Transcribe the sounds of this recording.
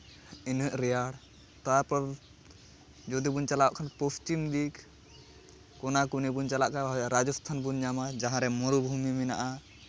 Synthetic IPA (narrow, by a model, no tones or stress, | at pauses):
inɦəʔɾɛjaɽ | t̪aɾpɔɾ | d͡ʒɔd̪ibunt͡ʃalaaʔkʰanpɔst͡ʃimd̪ik | kɔnakunibunt͡ʃalaʔkaɔɾad͡ʒɔst̪ʰanbunɲamad͡ʒaɦãɾɛmɔɾubʱumimɛna̰ʔa